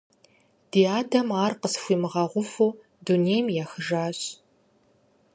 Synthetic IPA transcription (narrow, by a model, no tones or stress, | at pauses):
d̥iːaːdɐmaːrqəsxʷiːmɨʁɐʁʷʊfuː | dunejmjaːxɨʒaːɕ